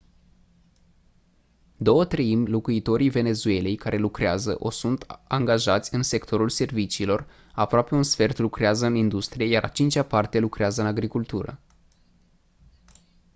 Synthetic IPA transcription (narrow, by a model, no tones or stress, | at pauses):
d̪o̞wət̪ɾeimʲlokuit̪o̞ɾive̞ne̞zue̞le̞jkaɾe̞lukɾeazə̰ʔo̞sunt̪aŋɡaʒat̪sʲɨnse̞kt̪ʰo̞ɾulse̞rvit͡ʃiːlo̞r | apɾoape̞unsfe̞rt̪lukɾeazəɨnind̪ust̪ɾije̞jaɾʔa̰t͡ʃint͡ʃapart̪e̞lukɾeazəɨnaɡɾikult̪uɾə̰